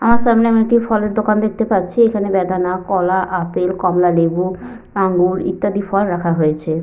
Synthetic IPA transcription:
amaɾʃamneamiekʈifɔleɾd̪okand̪ek̚t̪epatːt͡ɕʰiekʰanebɛd̪anakɔlaʔapelkɔmlalebu | paŋɡuɾḭt̪ːad̪ifʰɔlɾakʰaɦojet͡ɕʰe

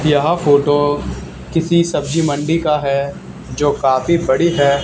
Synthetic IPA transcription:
d̪jaɦafʰoːʈo | kɪsisɐb̚d͡ʒimɐ̃ɳɖikaɦɛ | d͡ʒoːkaːfibɐɽiɦɛː

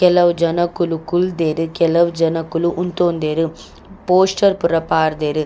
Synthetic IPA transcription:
kɛlɐʋud͡ʒɐnɐkːulukuld̪eːɾɯkɛlɐʋud͡ʒɐnɐkːuluʔunt̪oːnd̪eːɾu | poːsʈɐɾpuɾɐpaːɾd̪eːɾɯ

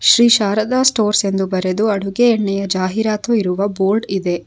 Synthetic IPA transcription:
ʃɾiːʃaːɾɐd̪aːsʈoːɾse̞nd̪ubɐɾe̞d̪uɐɽuɡeːɳːɛjɐd͡ʒaːɦiɾaːt̪uiɾuʋɐboːɾɖid̪e̞

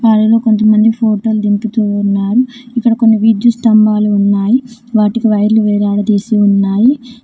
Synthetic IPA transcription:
ʋaːɽɐlo̞ːko̞nt̪ɐmɐnd̪ipʰoːʈoːld̪imput̪uːnːaːɾuikːɐɽɐko̞nːiʋid̪just̪ɐmbaːluːnːaːjiʋaːʈikiʋɐjɐɾluʋɛːɾaːɽɐd̪iːsiunːaːji

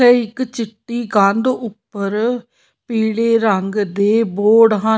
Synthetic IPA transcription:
eːɪkt͡ʃɪʈːiːɡãnd̪ʊpːəɾ | piːɽeːɾəŋɡd̪eːboːɽɦãː

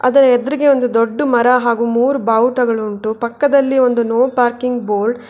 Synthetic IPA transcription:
ɐ̰d̪ɐɾɐɛd̪ɾiɡe̞o̞nd̪ud̪oɖːumɐɾɐɦaːɡumuːɾubaːwʈɐɡɐɭuɳʈupɐkːɐd̪ɐlːio̞nd̪unoːpaːɾkiŋɡboːlɖ

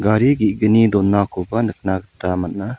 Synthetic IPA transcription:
ɡaɾiɡiʔ̚ɡənid̪ɔnːakʰɔbanɯk̚ʰnaɡət̪amanna

